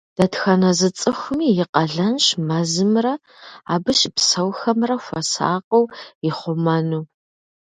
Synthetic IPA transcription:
d̥ɐtxɐnɐzɨt͡sʼɨxʷʊmiːjɪqɐɮɐnɕmɐzɨmrɐ | aːbɨɕpsɐwxɐmrɐxʷɐsa̰ːqɐwɪχʷʊmɐnuː

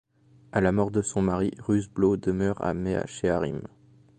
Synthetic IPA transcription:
alamɔʁd̪əsɔ̃maʁiʁyzblod̪əmœʁa̰mea̰ʃeaʁim

